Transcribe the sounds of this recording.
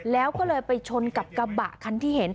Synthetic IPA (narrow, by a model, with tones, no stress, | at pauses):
lɛː˦˥wkɔː˥˩lɤː˧jpa˧jt͡ɕʰo˧nka˨˩p̚ka˧ba̰˨˩ʔkʰa˧nt̪ʰiː˥˩ɦe˩˦n